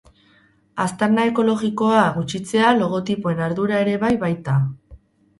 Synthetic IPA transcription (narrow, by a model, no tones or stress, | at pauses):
ast̪aɾnae̞ko̞lo̞ɣiko̞aɣut͡ʃit͡se̞alo̞ɣ̞o̞t̪ipoe̞naɾðuɾae̞ɾe̞βajβajt̪a